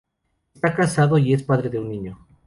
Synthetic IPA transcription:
est̪akasaðo̞ie̞spaðɾeðeunːiɲo

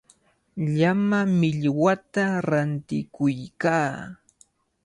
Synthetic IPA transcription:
ʎamamɪʎwat̪aɾant̪ɪkʊjkaː

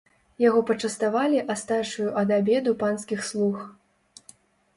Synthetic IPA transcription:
jaɣɔpɐt͡ʂɐst̪avalʲiʔast̪aʂujuʔɐd̪abʲɛd̪upanskʲixslˠux

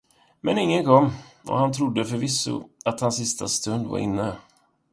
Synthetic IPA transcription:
mɛnɪŋːənkʰɔmːɔ̰hant̪ʰɾʊd̪ːəfœɾvɪsːʊ̰at̪hansːɪst̪ast̪ɵnd̪va̰ɾʔɪ̰nːə

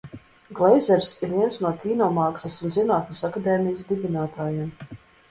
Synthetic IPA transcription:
ɡlˠɛjzɛɾsiɾviɛnsnuɔkʲiːnɔːmɑːksɐsunzinaːt̪nʲasakad̪ɛːmijəs̬d̪ibʲinaːt̪ʰaːjem

